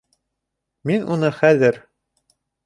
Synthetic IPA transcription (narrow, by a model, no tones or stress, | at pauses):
minṵnɤχæðɘɾ